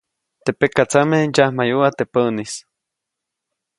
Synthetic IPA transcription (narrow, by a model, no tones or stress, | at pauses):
t̪epekat͡samejahmajuwat̪epənis